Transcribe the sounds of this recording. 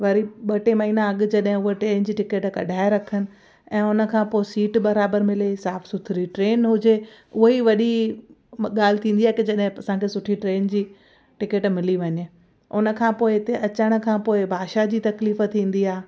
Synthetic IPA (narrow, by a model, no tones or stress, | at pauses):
ʋɐɾiɓɐʈemɐɦiːnãɐɠ̆d͡ʑɐɗɦɪ̃ʊɦoʈɾeːnd͡ʑiːʈɪkeʈkɐ̰ɖʱaːɪɾɐkʰənɪ̆ | ɛ̃ːʊnə̆kʰãːpoːɪsiːʈbɐɾaːbəɾmɪlesaːfsʊt̪ʰɪɾiʈɾeːnɦʊd͡ʑeʊɦoiʋɐɗi | ɠaːl̤ɪt̪ʰĩːnd̪iaːɦekid͡ʑɐɗɦɪ̃ɐsãkʰeːsʊʈʰiʈɾeːnd͡ʑiː | ʈɪkeʈmɪliʋɐɲ̆ | ʊnə̆kʰãːpoːɪɪt̪eʔɐt͡ɕəɽ̃̆kʰãːpoːɪbʱaːʃad͡ʑiːt̪ɐkliːft̪ʰĩːn̆d̪iaːɦe